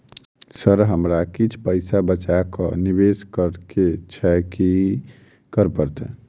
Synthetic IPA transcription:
səɾɦəmɾakit͡ʃʰpəɪsabət͡ʃakənibeskəɾket͡ʃʰɛki | kəɾpəɾt̪ɛ̰̃

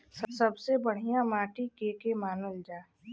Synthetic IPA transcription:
ssɐbsebəɽ̤ijãmaːʈikeːkemaːnəld͡ʒaː

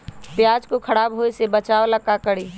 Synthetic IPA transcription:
pjad͡ʒkokʰəɽaːbɦoisebət͡ʃaʋoləkakəɽi

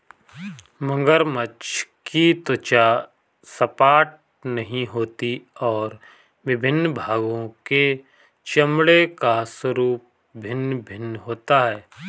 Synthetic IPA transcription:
mə̃ŋɡəɾmət͡ʃʰkit̪ʊt͡ʃa | səpaːʈ̚ | nɐɦĩɦoːt̪iɔːɾ | ʋɪbʱɪnːbʱaːɡõke | t͡ʃɐmɽekaswəɾuːp̚ | bʱɪnbʱɪnɦoːt̪aɦɛː

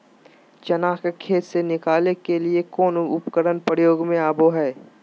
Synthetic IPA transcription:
t͡ʃɐnaːxkekʰeːt̪senɪkaːlekeliekɔːnʊpkəɾənpəɾjoːɡmẽaːboɦɛː

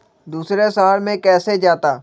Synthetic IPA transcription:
d̪uːsɾesaːɾmẽkɛːsed͡ʒaːt̪aː

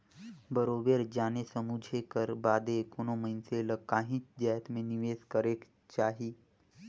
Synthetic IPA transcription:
bəɾoːbeːɾd͡ʒaːnesəmud͡ʒʱekəɾbaːd̪ekonoməɪnseləkaːɦĩt͡ʃd͡ʒaːt̪mẽniʋeːskəɾek | t͡ʃaːɦiː

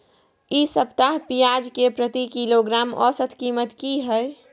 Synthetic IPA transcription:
isəpt̪aɦpijaːd͡ʒkepɾət̪ikiloɡɾaːmɔ̰ːsət̪ʰkiːmət̪kiɦɛe

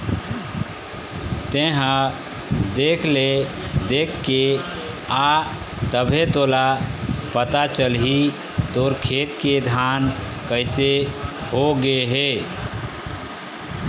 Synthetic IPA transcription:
t̪eɦə̃ | d̪ekʰle | d̪ekːe | a | t̪əbʱet̪olapət̪at͡ʃəlɦi | t̪oɾkʰet̪ked̪ʱan | kəɪseɦoɡeɦe

